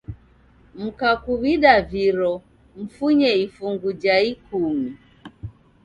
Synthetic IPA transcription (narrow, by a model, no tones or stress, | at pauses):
m̩kakuβiɗaviɾɔ | m̩fuɲɛifuŋɡud͡ʒaikumi